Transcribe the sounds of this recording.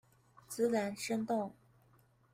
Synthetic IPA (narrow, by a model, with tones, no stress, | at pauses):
t͡sɹ̩˥ɻa˧˥nʂə˥nt̪ʊ˥˩ŋ